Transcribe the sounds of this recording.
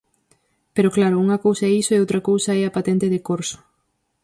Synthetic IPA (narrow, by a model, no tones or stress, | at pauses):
peɾoklaɾʊuŋɐkowsɐɛisoeowt̪ɾɐkowsɐɛapat̪ɛnt̪eðekoɾsʊ̥